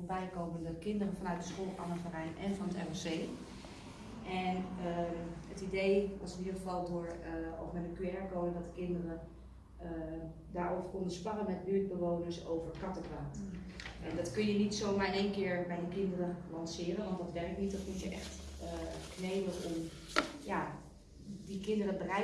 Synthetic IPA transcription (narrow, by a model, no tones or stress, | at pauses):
bɛjkowməndɔtəkɪndərəfɔnœɥt̚dəsχoːlˠanəfarɛjnɛnfɔnətɛ̰mɛseː | ʔɛnəətidejʋɑsɪnidərχəfɑlˠdʊːɹɔ̰fmɛdəkyɛɹkoːməndɔtdəkɪndərə | ə | daːɹowvəɹkɔndəspɑnəmɛtlyət̚bəʋownəɹsowvəɹkɑtəkraːtʔɛndɑtkɵnjənitsoːwmaːɹɪneːnkɪːɹbɛjdəkɪndərəlɑnsɪːrənʋɑntdɑtʋɛrk̚nit̚dɔtmutjəʔɛxt | knejbəlɔm | ja | dikɪndərəbərɛ